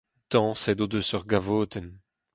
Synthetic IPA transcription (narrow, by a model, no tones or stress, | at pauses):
t̪ɑ̃sɛd̪od̪øsœʁɡavoːt̪ʰɛn